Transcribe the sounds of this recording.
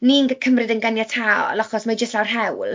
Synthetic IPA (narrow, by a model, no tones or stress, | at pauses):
ninɡəkʰəmrɨdənɡanjatʰaːɔ̰lˠɔχɔsmad͡ʒəstlawrɦɛwlˠ